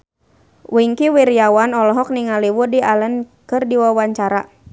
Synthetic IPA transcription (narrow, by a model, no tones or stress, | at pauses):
wiŋkiwiɾiawanɔlɔɦɔk̚niŋaliwudialənkɨrdiwawaɲt͡ʃaɾa